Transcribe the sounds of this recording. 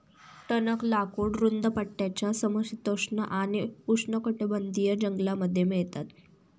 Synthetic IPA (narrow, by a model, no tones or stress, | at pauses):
ʈ̪ənəklakuːɽɾund̪əpəʈːjat͡ɕjasəməsit̪əʂɳə̰ʔañiuʂɳəkəʈebənd̪ijəd͡ʑəŋɡlaməd̪ʱːjemiɭt̪at̪